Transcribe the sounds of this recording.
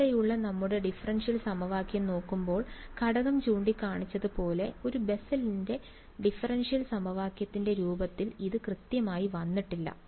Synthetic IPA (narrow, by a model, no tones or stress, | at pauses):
ejuɭːɐnɐmːuɽe̞ɖifɐrɐnʂijɐlsɐmɐʋaːkjɐmno̞ːkːumbo̞ːɭkɐɽɐɣɐmt͡ɕuːɳɖikːaːɳit͡ɕːɐðɨpo̞ːle̞o̞ɾube̞sɐlinde̞ | ɖifɐrɐnʂijɐlsɐmɐʋaːkjɐt̪ːinde̞ɾuːbɐt̪ːiliðɨkrɨt̪jɐmaːjiʋɐnːiʈːilːɐ̰